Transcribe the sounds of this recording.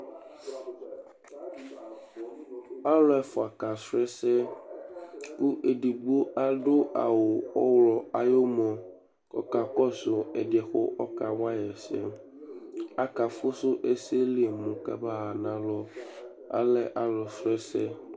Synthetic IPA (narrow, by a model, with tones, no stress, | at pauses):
a˦lɔ˦ɛ˨fɔ˨a˨ka˨sɾɛ˦sɛ˦ | ku˦ʔe˨ɖi˨ɡ͡bo˦a˦ɖo˦ʔa̰˨wo˨ɔ˦wlɔ˨a˨jo˦mɔ̃˨ | kɔ̰˦ka˨kɔ˦sʊ˨ɛ˨dɛ˨xo̰˦ʔɔ˦ka˨wa˦jɛ˨sɛ̰˦ | a˦ka˨fo˦sʊ˦ʔe˦se˦li˦e˨mʊ̃˨ka̰˦ba˦ɦa˨nã˨lɔ˦ | a̰˦lɛ˦ʔa˦lɔ˨sɾɛ˦sɛ˦